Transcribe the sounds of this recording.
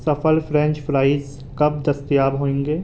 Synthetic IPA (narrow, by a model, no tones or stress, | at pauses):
sɐpʰəlpʰɾɛ̃ɲt͡ʃpʰɾaːɪz | kɐbd̪ɐst̪jaːbɦoːẽːŋɡeː